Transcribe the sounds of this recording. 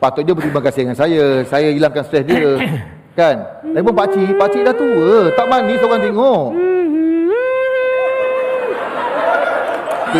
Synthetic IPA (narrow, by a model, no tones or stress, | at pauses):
pat̪ɔt̪̚d͡ʒjabət̪ɾimakasɪdŋansajasajailaŋkanst̪ɾɛsdiə | kanaip̬ʊnpat͡ʃiʔpaʔt͡ʃiʔdaht̪uət̪aʔmanĩsoɣaŋt̪̬eŋɔʔ